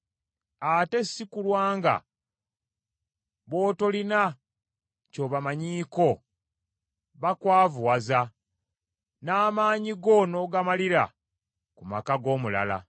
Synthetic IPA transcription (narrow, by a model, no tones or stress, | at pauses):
ate̞sːikulwaːŋɡa̰ | βo̞ːto̞lina | co̞βamaɲiːko̞ | βakwaːvuwaza | naːmaːɲiɡo̞no̞ɡamaliɾa̰ | kumakaɡo̞ːmula̰la̰